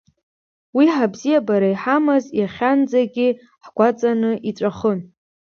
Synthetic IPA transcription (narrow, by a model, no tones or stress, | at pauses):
wiħabzijabaɾajħamɨzjaχʲand͡zaɡʲɪ | ħɡʷat͡sʼanɨʔiʈ͡ʂʷʼaχən